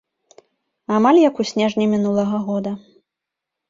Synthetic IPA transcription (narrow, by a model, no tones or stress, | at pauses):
amalʲjɐkusʲnʲɛʐnʲimʲin̪ulˠɐɣɐɣɔd̪ɐ